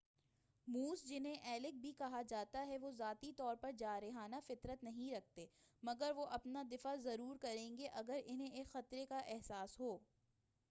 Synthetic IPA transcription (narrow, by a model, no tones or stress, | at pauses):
muːsd͡ʒɪnɦẽʔɛːlɪk̚bʱikɐɦad͡ʒaːt̪aɦɛʋozaːt̪it̪ɔːɾpɐɾd͡ʒaːɾeɦaːnafɪt̪ɾət̪nɐɦĩɾɐk̚ʰt̪eːmɐɡəɾʋoʔɐpnad̪ɪfazɐɾuːɾkɐɾẽːŋɡeʔɐɡəɾɪnẽeːkxɐt̪ɾekaʔɛɦsaːsɦoː